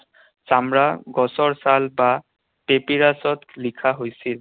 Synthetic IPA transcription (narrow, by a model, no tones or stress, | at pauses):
samɹaɡɔsɔɹsalba | pepiɹasɔtlikʰaɦojsil